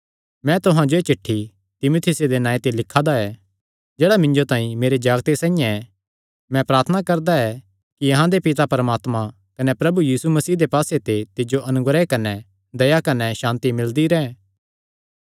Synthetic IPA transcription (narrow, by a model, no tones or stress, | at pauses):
mɛ̃t̪ʊɦãd͡ʒoet͡ʃɪʈʰːi | t̪ɪmoːt̪ʰɪsed̪enãːẽt̪elɪkʰːad̪aɛ | d͡ʒeːɽamɪ̃nd͡ʒot̪ãːĩmeːɾed͡ʒaːɡt̪esãːĩjãɛ | mɛ̃pɾaːɾt̪ʰənakɐɾd̪aɛ | kiɐɦãd̪epɪt̪apɐɾəmaːt̪mã | kɐnɛpɾɐbujiːsumɐsiːd̪epaːset̪et̪ɪd͡ʒoʔɐnʊɡɾekɐnɛ | d̪ɐjakɐnɛʃãːnt̪imɪld̪iɾɛ̃ː